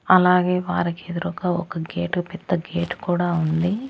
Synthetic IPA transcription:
ɐlaːɡeːʋa̰ːɾiked̪uɾukɐɔkɐɡeːʈpɛd̪ːɐɡeːʈkuːɽaːund̪i

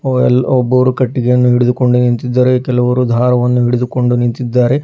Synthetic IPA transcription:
ɛlɔbːɐʋɾukɐʈːiɡejɐnːuɦiɽɪd̪uko̞ɳɖunint̪id̪ːaːɾekɛlɐʋɐɾud̪ʱaːɾɐʋɐnːuɦiɽid̪uko̞ɳɖunint̪id̪ːaːɾe̞

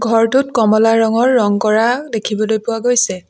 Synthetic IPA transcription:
ɡʱɔɹtʊtkɔmɔlaɹɔŋɔɹːɔŋkɔɹadekʰibɔlojpʊwaɡojsɛ

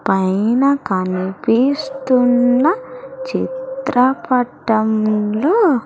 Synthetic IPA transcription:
pɐjnɐkɐnipist̪unːɐt͡ʃḭt̪ɾɐpɐʈːɐmloː

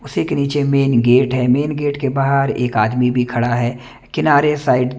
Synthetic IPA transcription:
ʊsekeniːt͡ʃemeːnɡeːʈɦɛmeːnɡeːʈkebaːɦəɾḛːkaːd̪mibʱikʰɐɽaɦɛː | kɪnaːɾesaːɪɖ

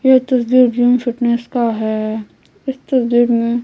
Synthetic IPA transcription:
jet̪ɐsd̪iːɾd͡ʒumfɪʈneskaɦɛː | ɪst̪ɐsd̪iːɾmẽ

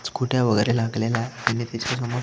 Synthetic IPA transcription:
t͡skuʈjaʋəɡəɾelaɡlelat̪anːiːt̪at͡ɕas̬əmɔ

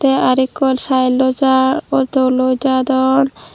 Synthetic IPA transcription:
t̪eaɾikːolʃajlod͡ʒaot̪olod͡ʒad̪ɔn

